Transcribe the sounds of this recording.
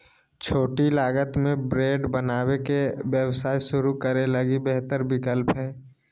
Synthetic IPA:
t͡ʃʰoːʈilaːɡət̪mẽbɾeːɖbənaːwekebjəwsaːiʃʊɾukəɾeləɡibeɦt̪əɾbɪkəlpɦɛː

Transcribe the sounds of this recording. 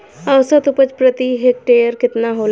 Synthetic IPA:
ɐwsət̪upət͡ʃpɾət̪iɦek̚ʈeːjəɾkɪt̪naɦoːl

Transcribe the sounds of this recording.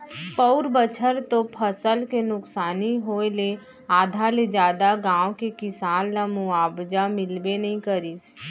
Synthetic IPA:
pəʊɾbət͡ʃʰəɾt̪õpʰəsəlkenʊksaːniɦoːele | aːd̪ʱaled͡ʒaːd̪aɡãːõkekɪsaːnlamuaːbd͡ʒamɪlbenəɦĩkəɾiːs

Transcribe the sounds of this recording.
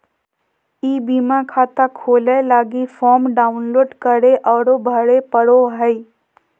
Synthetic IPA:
iːbiːmakʰaːt̪akʰoːlelaːɡifɔːmɖaːʊnloːɖkəɾeʔɔːɾobʱəɽepəɽoɦəi

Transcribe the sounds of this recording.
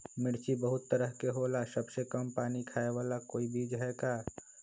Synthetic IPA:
mɪɽt͡ʃibəɦʊt̪ːəɾəɦkeɦoːlasɐbsekəmpaːnikʰaːeʋaːlakoːibʱiːd͡ʒɦɛːkaː

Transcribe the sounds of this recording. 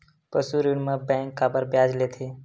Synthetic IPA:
pəsuɾinmə̃bɛ̃ːŋkːaːbəɾbjaːd͡ʒlet̪ʰeː

